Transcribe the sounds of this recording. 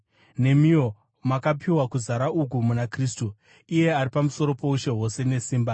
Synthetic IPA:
ne̞mio̞ | makapʰiwakuzaɾauk̬umunakriːstu | ije̞aɾipamuso̞ɾo̞po̞uʃe̞ɦo̞se̞ne̞siːmba

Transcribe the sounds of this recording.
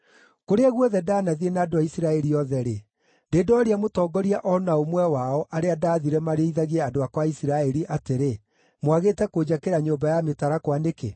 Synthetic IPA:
koɾeaɣwɔðɛdaːnaðienaːdoaisiɾaɛɾiɔðɛɾe | ndeːdoɔɾiamotɔːɡɔɾiaʔɔnaomwɛwaɔʔaɾeadaːðiɾɛmaɾeiðaɣɛadoakwaisiɾaɛɾiʔateɾe | mwaɣetɛkoːd͡ʑakeɾaɲoːbajametaɾakwaneke

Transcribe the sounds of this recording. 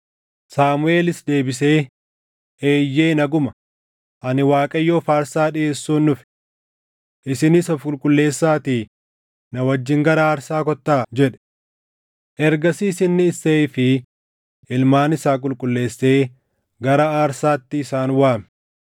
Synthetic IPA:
saːmʊe̞ːlɪsd̪e̞ːbɪse̞ː | ʔeːjːe̞ːnɐɡʊmɐ | ʔɐnɪwaːkʼɐjːo̞ːfaːɾsaːᶑɪe̞ːsːuːnːʊfɪ̥ | ʔɪsɪnɪsɐfkʼʊlkʼʊlːe̞ːsːaːt̪iː | nɐwɐd͡ʒːɪŋɡɐɾɐaːɾsaːkɔt̪ːaːd͡ʒɛᶑɛ̥ | ʔɛɾɡɐsiːsɪnːɪːseːfɪ | ʔɪlmaːnɪsaːkʼʊlkʼʊlːe̞ːsːe̞ː | ɡɐɾɐaːɾsaːt̪ːɪːsaːnwaːm

